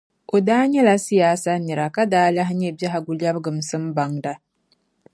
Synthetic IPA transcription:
ʔo˨daː˦ɲɛ˦la˦si˦jaː˦sa˦ni˨ɾa˨ka˦daː˦la˦ɦɪ˦ɲɛ˦ba˦ɦa˨ɡu˨lja˦bɡɨ˨msɨ˦m˦ba˨ŋda˨

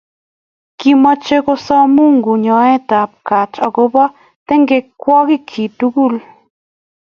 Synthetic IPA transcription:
ki˦ma˦t͡ʃe˦ko˦sɔ˦mu˦ŋɡu˨ɲɔ˨ɛ˦t̪a˨p̚ka˨t͡ʃɔ˨ɡo˦bɔ˦ | t̪ɛ˦ŋɡe˦kːwʷɔ˦ɡɪ˦kʰi˨tu˦ɡu˦˨l

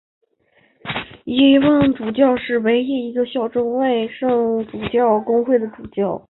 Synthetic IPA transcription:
i˧˥˧wɑ˥˩ŋʈ͡ʂu˨˩t͡ɕjɑ˥˧ʊʂɻ̩˥˩we˧˥ɪi˥˩i˧˥ɡə˧ɕjɑ˥˩ʊʈ͡ʂʊ˥ŋwa˥˧ɪʂɤ˥˩ŋʈ͡ʂu˨˩t͡ɕjɑ˥˩ʊkʊ˥ŋxwe˥˩ɪd̪ə˩ʈ͡ʂu˨˩t͡ɕjɑ˥˩ʊ

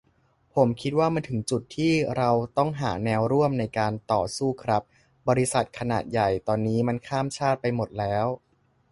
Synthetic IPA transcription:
pʰo˩˦mkʰi˦˥t̪̚waː˥˩ma˧nt̪ʰɯ˩˦ŋt͡ɕu˨˩t̪ʰːiː˥˩ɾa˧wt̪ɔ˥˩ŋɦa̰ː˩˦nɛː˧wɾu˥˩əmna˧jkaː˧nt̪ɔː˨˩suː˥˩kʰɾa˦˥p̚ | bɔː˧ɾi˧˥sa˨˩t̪̚kʰa˧naː˨˩t̪̚ja˨˩jt̪ɔː˧nːiː˦˥ma˧nkʰaː˥˩mt͡ɕʰaː˥˩t̪̚pa˧jmo˨˩t̪̚lɛː˦˥w

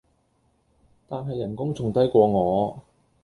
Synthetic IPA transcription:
t̪aː˨nɦɐ˨jːɐ˨˩nkʊ˥ŋt͡sʊ˨ŋt̪ɐ˥jkʷɔː˧ŋɔː˨˧

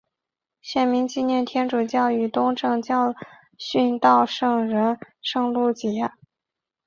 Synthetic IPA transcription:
ɕjɛ˥˩nmi˧˥ŋt͡ɕi˥˧njɛ˥˩nt̪ʰjɛ˥nʈ͡ʂu˨˩t͡ɕjɑ˥˩ʊy˨˩t̪ʊ˥ŋʈ͡ʂɤ˥˧ŋt͡ɕjɑ˥˧ʊ | ɕy˥˧nt̪ɑ˥˧ʊʂɤ˥˩ŋɻə˧˥nʂɤ˥˧ŋlu˥˩t͡ɕjɛ˧˥

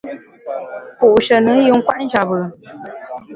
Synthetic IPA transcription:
pu˨ʃə˨nɨ˨˦ju˨ŋ̩˦kwa˦n˦ʒa˨bə˨

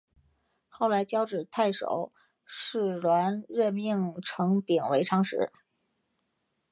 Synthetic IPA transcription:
xo˥˩ʊla˧˥ɪt͡ɕjɑ˥ʊʈ͡ʂɻ̩˨˩t̪ʰa˥˩ɪʂo̰˨˩˦ʊ | ʂɻ̩˥˩lwa˧˥nɻə˥˧nmi˥˩ŋʈ͡ʂʰɤ˧˥ŋpi˨˩nwe˧˥ɪʈ͡ʂʰɑ˥ŋʂɻ̩˧˥

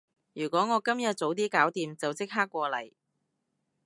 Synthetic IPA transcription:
jyː˨˩kʷɔː˨˥ŋɔː˨˧kɐ˥mjɐ˨t̚t͡so˨˥wt̪̬iː˥kaː˨˥wt̪iː˨mt͡sɐ˨wt͡sɪ˥k̚ɦaː˥kʷːɔː˧lɐ̰˨˩j

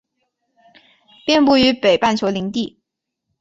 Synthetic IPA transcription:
pjɛ˥˧npu˥˩y˧˥pe˨˩ɪpa˥˩nt͡ɕʰjo˧˥li˧˥ŋt̪i˥˩

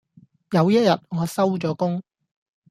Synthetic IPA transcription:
jɐ˨˧wjɐ˥t̚jɐ˨t̚ŋɔː˨˧sɐ˥wt͡ʃɔː˨˥kʊ˥ŋ

